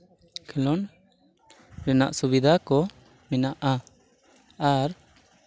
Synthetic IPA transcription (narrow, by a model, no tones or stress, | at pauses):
kʰɛlɔn | ɾɛna̰ʔsubid̪akɔ | mɛnaʔa | aɾ